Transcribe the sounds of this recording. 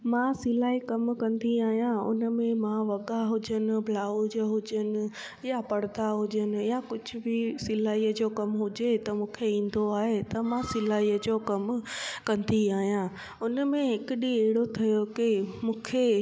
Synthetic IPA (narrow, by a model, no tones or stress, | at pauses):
mãːsɪlaːikɐmkɐ̃nd̪iaːɦijãʊ̰nəmẽmãʋɐɠaɦʊd͡ʑənɪ̆bʱlaːʊd͡ʑəɦʊd͡ʑənɪ̆ | japɐɽd̪aɦʊd͡ʑənɪ̆jakʊd͡ʑʱʊ̆bɪsɪlaːiːəd͡ʑokɐmɦʊd͡ʑet̪ɐmũːkʰeĩːn̆d̪oaːɦet̪ɐmãsɪlaːijəd͡ʑoːkɐmkɐ̃nd̪iaːɦijã | ʊnəmẽɦɪkɪɗiɛɦɪɽot̪ʰɐjokɪmũːkʰe